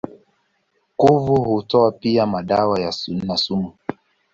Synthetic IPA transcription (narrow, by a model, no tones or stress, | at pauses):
kuvuhutɔapiamaɗawajasun̩nasumu